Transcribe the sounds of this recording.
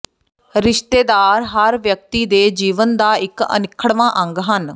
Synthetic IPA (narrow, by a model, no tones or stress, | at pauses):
ɾɪʃt̪eːd̪aːɾɦəɾʋjək̚t̪iːd̪eːd͡ʒiːʋənd̪aːɪkə̰nɪkʰːəɽʋãːʔə̃ŋɡɦən